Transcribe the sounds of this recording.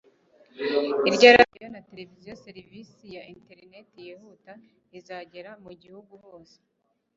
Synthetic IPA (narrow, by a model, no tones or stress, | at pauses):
iɾɟaɾadijo̞nate̞levizijoseɾivisijaʔinte̞ɾne̞tijehuta | izaːɟe̞ɾamuɟihuɡuβo̞ːse̥